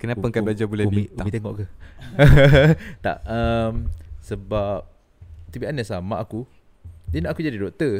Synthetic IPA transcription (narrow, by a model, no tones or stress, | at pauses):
kənapaŋkablad͡ʒabulɛkmitamit̪eŋɔʔkə | t̪a̰ʔəmsəbap̚ | t̪ibianɛsama̰ʔaku | dinaʔakud͡ʒadidoʔt̪ə